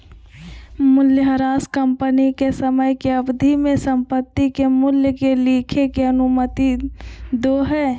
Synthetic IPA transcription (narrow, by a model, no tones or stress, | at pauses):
mʊljəɦəɾaːskəmpənikesəməjkeəbd̪ʱimẽsə̃mpət̪ːikemʊljəkeliːkʰekeənʊmət̪id̪oːɦɛː